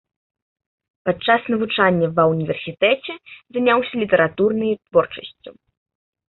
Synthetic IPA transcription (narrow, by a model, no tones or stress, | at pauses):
pat̪t͡ʂːasnɐvut͡ʂanʲːɐvɐwnʲivʲɛrsʲit̪ɛt͡sʲɛzanʲawsʲɐlʲit̪ɛɾat̪urnɨjt̪vɔrt͡ʂɐ̥sʲt͡sʲu